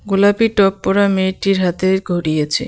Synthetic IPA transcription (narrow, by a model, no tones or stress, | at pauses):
ɡolapiʈɔpːɔɾameʈiɾɦat̪eɡʱoɾijet͡ɕʰḛ